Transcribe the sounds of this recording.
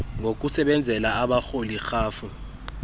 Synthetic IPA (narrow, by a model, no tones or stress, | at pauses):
ŋɡʱok̬ʼusɛɓɛnd͡zʱɛlaaɓaxolixaːfu